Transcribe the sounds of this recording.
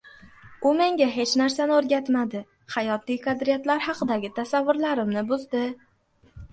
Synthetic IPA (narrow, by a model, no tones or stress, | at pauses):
ʊme̞ŋɡʲaɦe̞t͡ʃnaɾsanɪoɾɡʲat̪mad̪ɪ | hajɒt̪ijkʰad̪ɾijat̪laɾhɑqʰɨd̪aɡʲɪt̪ʰasavːʊɾlaɾɪmnɪbʊzd̪ɪ